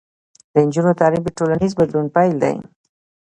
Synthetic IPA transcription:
d̪ənd͡ʒunot̪ɑɾifd̪əʈolanizbad̪lunpajld̪a̰j

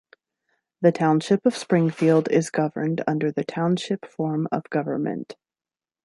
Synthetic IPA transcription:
ðɨtʰãʊ̃nʃɪpʌv̥spɹɪ̃ŋfilˠdɪ̰zɡʌvə̃˞ndʌ̰̃ndə˞ðɨtʰãʊ̃nʃɪpfɔɹmʌ̰vɡʌvə̰˞mɨ̰̃nt

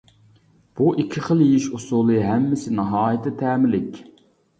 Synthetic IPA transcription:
b̥uʔikʲʰːɪχəlˠjejiʃusulˠɨɦɛmːɪsɪnɑɦɑːjɪt̪ʰɪt̪ʰɛːmɪlɪkʲ

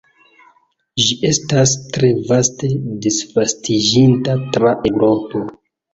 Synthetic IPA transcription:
ʒiʔe̞stastɾe̞vaste̞disvastid͡ʒintatɾaʔewɾo̞po̞

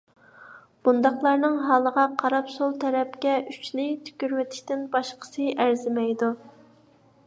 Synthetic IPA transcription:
b̥und̪ɑχlˠɑɾnɨŋɦɑːlˠəʁɑqʰɑɾɑpsolˠt̪ʰɛɾɛpkʲɛʔyt͡ʃnɪt̪ʰy̥kʲyɾwɛt̪ʰɪ̥ʃʲt̪ɪnbɑʃqʰə̥sɨʔæɾzɪmɛjd̪u

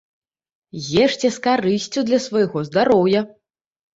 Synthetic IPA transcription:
ɣʲɛʂt͡sʲɛskarɨsʲt͡sʲud̪lʲɐsvajɣɔzd̪aɾɔwjɐ

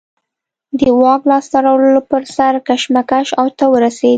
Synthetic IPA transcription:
d̪əwɑklɑst̪aɾawləlopəɾsaɾkaʃmakaʃawt̪awəɾased̪i

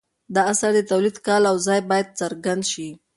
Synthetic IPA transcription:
d̪ɑasaɾd̪ət̪awlid̪kɑlawzɑjbɑjad̪̚t͡səɾɡand̪ʃi

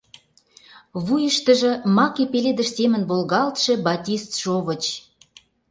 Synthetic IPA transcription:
βujəʃt̪ə̆ʒɤ̆mɑkepeled̪ə̆ʃsemə̆nbolɣɑlt̪ʃĕbɑtʲist̪ʃoβə̆t͡ɕ

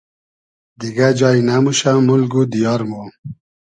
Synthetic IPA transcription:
d̪iɡad͡ʑɑinamuɕamulɡud̪ijɑɾmo

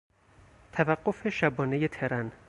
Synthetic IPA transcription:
t̪ʰævæɡːofe̞ʃæbɒːnejet̪ʰeɾæn

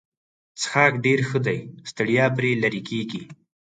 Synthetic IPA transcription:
t͡sə̥xɑːkɖeɾxəd̪ajst̪əɽjɑpɾelaɾikeɡi

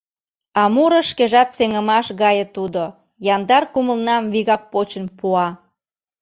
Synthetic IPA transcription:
ɑmuɾəʃkeʒɑt̪seŋəmɑʃɣɑjə̆t̪ud̪o | jɑnd̪ɑrkuməlnɑmβiɣɑk̚pot͡ɕənpuɑ

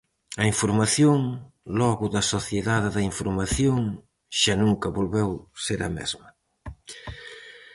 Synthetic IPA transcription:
ɐiɱfuɾmaθjoŋ | lɔɣʊðɐsoθjeðaðeðɐiɱfuɾmaθjoŋ | ʃanuŋkɐβolβɛwseɾɐ̰mɛ̰zmɐ

